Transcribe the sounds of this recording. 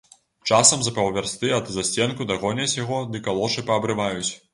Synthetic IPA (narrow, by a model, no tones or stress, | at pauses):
t͡ʂasɐmzɐpɐwvʲarst̪ɨɐd̪zasʲt͡sʲɛnkud̪ɐɣɔnʲɐsʲjaɣɔd̪ɨkalˠɔʂɨpɐːbɾɨvajut͡sʲ